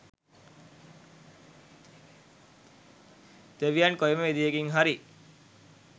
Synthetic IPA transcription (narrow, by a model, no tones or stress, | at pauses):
t̪eʋijankojməʋed̪ijeɡiŋɦaɾi